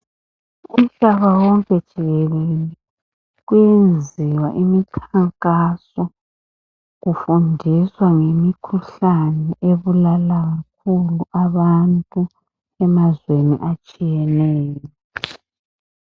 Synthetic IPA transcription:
um̩ɬaβawɔŋkʼɛd̥ʒ̥ʱiɣɛlelɛ | ɣwjend͡zʱiwaʔimikʰaŋkʼasɔ | ɣufundʱiswaŋemikʰuɬanɛʔeβulalaɣak̚ʰuluʔaβantʼu | ɛmazwenḭʔat͡ʃʼijɛnɛːjɔɔ

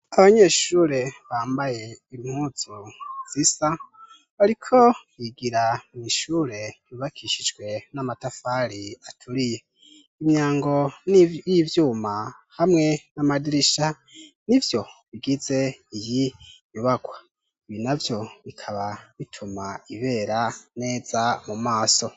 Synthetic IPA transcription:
aβaɲeːʃuːɾe̞βaːmbaje̞iim̥huːz̥uz̥isa | βaɾikʰo̞wiɡiɾamiʃuːɾe̞βiβakʰiʃid͡ʒɡwe̞namatafaɾiatʰuɾije | imɲaːŋɡo̞nijivjuːma | hamŋe̞namadiɾiʃa | nivjo̞βiɡize̞ijijuβaɡwa | iβinavjo̞βikʰaβaβitʰumaiβe̞ːɾane̞ːz̥amumaːso̞

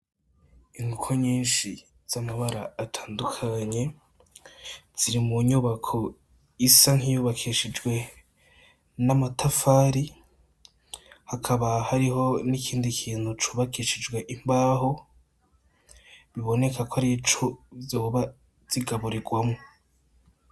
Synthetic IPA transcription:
iŋɡukʰoɲiːnʃi | z̥amaβaɾaːtʰaːndukʰaɲe̞ | z̥iɾimuɲuβakʰo̞ | isaŋhijuːβakʰiʃid͡ʒɡwe̞ | namatʰafaːɾi | hakʰaβahaɾiɦo̞nikʰiːndikʰiːn̥hut͡ʃuβakiʃid͡ʒɡwe̞ʔimbaːɦo̞ | βiβo̞ne̞kʰakʰoaɾit͡ʃovjoːβa | z̥iɡaβuɾiɡwamŋo

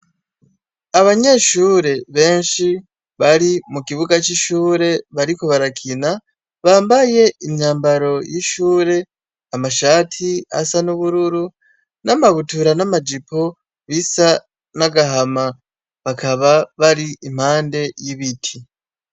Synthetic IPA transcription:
aβaɲe̞ʃuːɾe̞βe̞ːnʃi | βaɾimukiβuɡat͡ʃiʃuːɾe̞βaɾiko̞βaɾakʰina | βaːmbaje̞iɲɲaːmbaɾo̞jiʃuːɾe̞ | amaʃaːtʰia̰sanuβuɾuɾu | namaβutuɾanamad͡ʒipo | βisa | naɡaɦama | βakʰaβaβaɾiim̥haːnde̞jiβitʰi

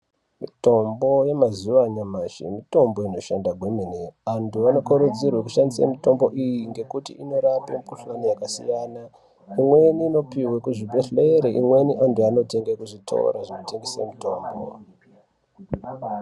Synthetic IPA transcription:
mito̞mbo̞je̞mazuʋaɲamaʃḭmito̞mbo̞ino̞ʃandaɡʱweminiantuano̞koɾud͡zirwekuʃandisa̰mito̞mbo̞ʔijiŋɡe̞kutḭʔino̞ɾapemukuɬanijakasḭjana | imweniːno̞piwekuʐibʱeɬeeɾeʔimwe̞niʔantuano̞te̞ŋɡekuʐitʰa̰o̰ɾaʐinote̞ŋɡesḛmuto̞ːmbo̰

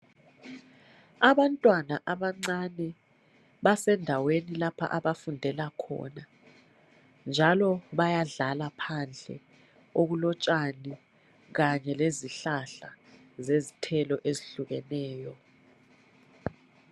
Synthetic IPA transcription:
aβantʼwanaʔaβaŋ͡ǀanɛ | βasɛndʱawenilapʰa̰ʔaβafundʱɛlakʰɔ̰na | nd͡ʒʱalɔβajaɮalapʰand͡ɮʱɛ̰ | oɣulɔt͡ʃʼani | ɣaɲɛleziɬaɬa | zezitʰɛlɔʔeziɬuɣɛnɛːjɔ

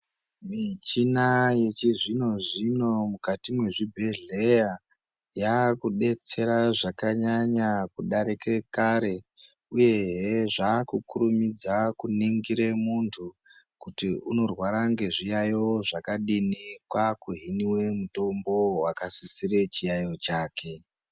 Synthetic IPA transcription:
mit͡ʃinaje̞t͡ʃiʐino̞ʐino̞mukatimwe̞ʐibʱeɮe̞ja | jakuɗe̞t͡se̞ɾaʐakaɲaɲakuɗaɾike̞kaɾe̞ | uje̞ɦeʐaːkukuɾumid͡zakuniŋɡiɾemuntʰu | kutiuno̞rwaɾaŋɡe̞ʐijajoʐakaɗinikwakuɦiniwe̞muto̞mbo̞wakasisire̞t͡ʃijajo̞t͡ʃaːkʰe̞

